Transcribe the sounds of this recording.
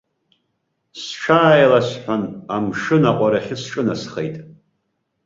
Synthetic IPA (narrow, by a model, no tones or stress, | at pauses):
sʈ͡ʂʰaːjlasħʷᶣanamʂɨnaqʷʼaɾaχʲɪsʈ͡ʂʼɨnasχḛjtʼ